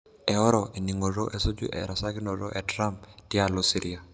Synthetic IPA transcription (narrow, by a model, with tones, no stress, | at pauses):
ɛ˨ɔ˦ɾɔ˨ʔe˨ni˨ŋo˨ɾo˦ʔɛ˨so˦d͡ʒṵ˦ʔɛ̰˨ɾa˨sa˦kɪ˦nɔ˨ɾɔ˦ʔɛ˨tɾa˦mptɪ˦a˨lo˦si˦ɾi˦a˨